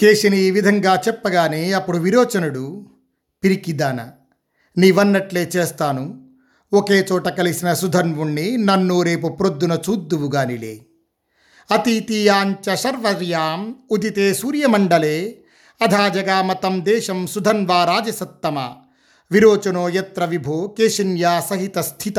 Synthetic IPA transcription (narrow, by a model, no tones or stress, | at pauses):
keːʃɐniiːʋid̪ʱɐŋɡaːt͡ʃɛpːɐɡaːneːɐpːuɽuʋiɾoːt͡ʃɐnuɽu | piɾikid̪aːnɐ̰ | niːʋɐnːɐʈleːt͡ʃeːst̪aːnu | okeːt͡ʃɔːʈɐkɐlisinɐsud̪ʱɐnʋuɳːinɐnːuɾe̞ːp̬upɾod̪ːunɐt͡ʃuːd̪ːuʋuɡaːnilḛː | ɐt̪it̪ijaːɲt͡ʃɐʃɐɾʋɐɾjaːmud̪it̪eːsuːɾjɐmɐɳɖɐleː | ɐd̪ʱaːd͡ʒɐɡaːmɐt̪ɐmd̪ɛːʃɐmsud̪ʱɐnʋaːɾaːd͡ʒɐsɐt̪ːɐmɐ | ʋiɾoːt͡ʃɐnoːjɐt̪ɾɐʋibʱoːkeːʃɐnjaːsɐɦit̪ɐst̪ʰit̪ɐ